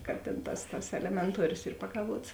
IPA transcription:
kɐ tʲeːn ˈtɐs tɐs ɛlʲɛmʲɛnˈtuɔrʲoːs ˈiːr pɐkɐˈʋuɔts

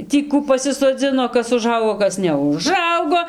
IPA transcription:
ˈtʲiː ˈkuː pɐsʲɪsoːˈd͡zʲɪnoː ˈkɐs ʊˈʒɐʊɡoː ˈkɐs nʲɛʊˈʒɐʊɡoː

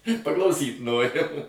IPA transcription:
pɐklˠɐʊˈsʲiːt ˈnoːrʲɪm

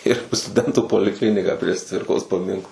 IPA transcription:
ɪr stʊˈdʲɛntuː poːlʲɪˈklʲɪnʲɪkɑː pʲrʲiɛʃ ˈt͡sʲʋʲɪrkoːs pɐˈmʲɪŋklˠɑː

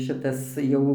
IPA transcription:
ˈʃʲɪtɐs ˈjɛʊ

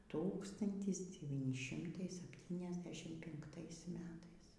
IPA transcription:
ˈtuːkstɐnʲtʲɪs dʲɛˈʋʲiːnʲɪ ˈʃʲɪmtɐɪ sɐpʲˌtʲiːnʲɛzʲˈdʲæːʃʲɪm pʲɪŋkˈtɐɪs ˈmʲæːtɐɪs

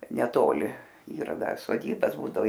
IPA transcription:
nʲɛˈtoːlʲɪ ˈiːrɐ ˈdɐr soːˈdʲiːbɐs ˈbuːdɐʋoː

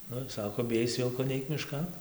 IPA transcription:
ˈnʊ ˈsɑːkoː bʲɪˈjɛɪs ˈʋʲɪlˠkoː ˈnʲɛɪk mʲɪˈʃkɐn

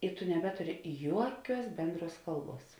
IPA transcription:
ɪ tʊ nʲɛˈbʲæːtʊrʲɪ ˈjuɔˌkʲuɔs ˈbʲɛnˌdruɔs ˈkɐlˠˌbuɔs

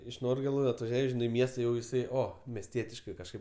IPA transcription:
ɪʃ ˈnoːrʲɡʲeːlˠʊ ɐtʋɐˈʒʲuɔj ˈʒʲɪnɐɪ ɪ ˈmʲiɛstɐ jɛʊ jɪˈsɐɪ ˈoː mʲɛsʲˈtʲiɛtʲɪʃkɐɪ kɐʃˈkɐɪp

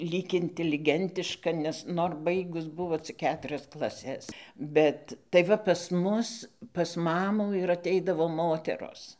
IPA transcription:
ˈlʲiːk ɪnʲtʲɛlʲɪˈɡʲɛnʲtʲɪʃkɐ nʲɛs ˈnoːr ˈbɐɪɡʊs ˈbʊʋoː t͡sʲɪk ˈkʲæːtʲrʲɛs klˠɐˈsʲɛs ˈbʲɛt tɐɪ ˈʋɐ pɐs ˈmʊs pɐs ˈmɑːmuː ɪr ɐˈtʲɛɪdɐʋoː ˈmoːtʲɛroːs

